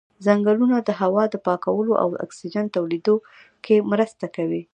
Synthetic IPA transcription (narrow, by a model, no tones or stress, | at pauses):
zaŋɡalunad̪əɦawɑd̪əpɑkawəloʔa̰wa̰ksid͡ʒant̪awlid̪o | kʰemɾəst̪akawi